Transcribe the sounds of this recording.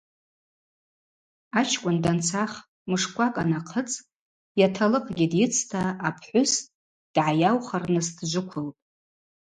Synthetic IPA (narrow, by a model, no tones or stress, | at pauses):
at͡ʃʰkʷʼʊndant͡sʰaχ | mɨʂkʷʼakʼa̰naqʰət͡sʼ | jatʰalɨqʼɡʲɪdjɪt͡sʰtʰaːpʰħʷʊs | d̥ʕajawχarnɨzdʒʷʊkʷʰʊltʼ